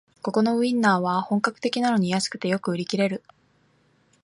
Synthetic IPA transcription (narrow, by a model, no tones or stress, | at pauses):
ko̞ko̞no̞ɯ̟ĩnːaːβ̞ahõ̞ŋkakɯ̥t̪e̞kʲinano̞ɲ̟ijasɨ̥kɯ̟t̪e̞jo̞kɯ̟ɯ̟ɾʲikʲiɾe̞ɾɯ̟